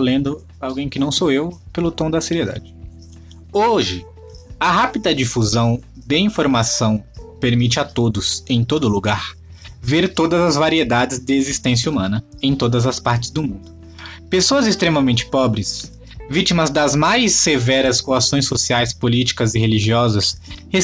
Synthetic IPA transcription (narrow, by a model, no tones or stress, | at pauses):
olẽnd̪ʊ | awɡẽj̃kɪnɐ̃w̃soewpelʊt̪õd̪ɐseɾied̪a̰d͡ʒɪ | oʒɪ | ɐɦapid̪ɐd͡ʒifuzɐ̃w̃d̪ɪĩfoɾmasɐ̃w̃peɾmit͡ʃɪat̪od̪ʊsẽj̃t̪od̪ʊluɡaɾ | veɾt̪od̪ɐzɐzvaɾied̪ad͡ʒɪzd̪ɪezist̪ẽs̬jɐumɐ̃nɐẽj̃t̪od̪ɐzɐspaɾt͡ʃɪ̥zd̪ʊmũnd̪ʊ | pesoɐzɪst̪ɾemɐmẽnt͡ʃɪ̥pɔbɾɪs | vit͡ʃimɐzd̪ɐzmajsevɛɾɐskoasõj̃sːosiajspolit͡ʃi̥kɐzɪheliʒiɔzɐshe